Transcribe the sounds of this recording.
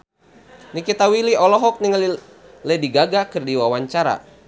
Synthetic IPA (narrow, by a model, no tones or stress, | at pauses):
nikit̪awiliɔlɔɦɔk̚niŋli | lɛdiɡaɡakɨrdiwawaɲt͡ʃaɾa̰